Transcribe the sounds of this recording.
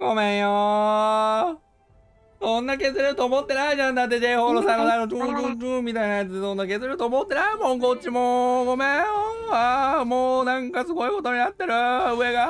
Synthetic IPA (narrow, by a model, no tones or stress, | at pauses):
ɡ̥o̞mẽɰjo | sõ̞nːake̞zɨɾɯt̪oːmot̪ːe̞naeʑãnd̪at̪̬ːed͡ʑe̞ihoɾosãnːod̪anoɯkɯkɯ̃ːmmʲːit̪ainajat͡sɨd̪esõ̞nːakezɨɾɯ̟t̪oːmot̪ːe̞naemõŋkot͡ɕːimoɡo̞mẽoamoːnãŋkasɨɡo̞iko̞t̪o̞ɲinat̪ːe̞ɾɯ̟ɯe̞ɡa